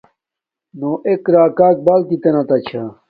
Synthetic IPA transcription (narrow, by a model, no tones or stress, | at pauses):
noʔekɾaːkaːk̚baːlkit̪enɐt̪ɐt͡ɕʰa